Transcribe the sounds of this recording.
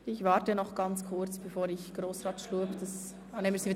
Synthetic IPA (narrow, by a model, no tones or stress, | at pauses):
ɪçvɑːɾtənɔχɡ̥ɑnt͡skʰʊɾt͡sb̥ɛfoːɾɪçɡ̥ɾoːsɾɑːtʃluəpdɑs | neməsii